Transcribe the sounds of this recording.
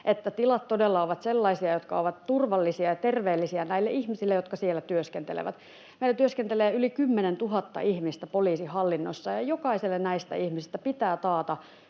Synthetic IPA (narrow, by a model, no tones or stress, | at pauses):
ʔet̪ːæt̪ilɑt̪t̪odelːɑoʋɑt̪selːɑisiɑjot̪kɑ̰oʋɑt̪t̪urʋɑlːisiɑjɑt̪erʋeːlːisiɑnæilːeʔihmisilːejot̪̚kɑsielːˑæt̪yøskent̪ḛlḛʋæ̰t̪ | meilːˑæt̪yøskent̪eleːylikymːenent̪uɦɑt̪ːɑ̰ʔihmist̪æpoliːsihɑlːinːo̰sːɑjɑjokɑiselːennæist̪æ̰ihmisist̪æpit̪æːt̪ɑːt̪ɑ